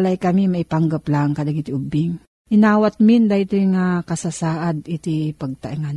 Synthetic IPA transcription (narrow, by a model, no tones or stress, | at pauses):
lajkɐmimaipaŋɡaplaŋkɐd̪aɡit̪iʔʊbɪŋ | ʔɪnaːwat̪̚mind̪at̪ojŋakɐsasaːʔad̪ʔit̪ipɐɡ̚t̪aʔiŋan